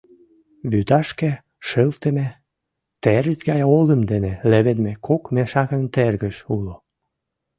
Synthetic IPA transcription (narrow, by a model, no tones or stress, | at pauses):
βyt̪ɑʃke | ʃəlt̪əme | t̪erəzɡɑjold̪əmd̪eneleβenmekʰokmeʃɑɣə̆nt̪erɣəʃulo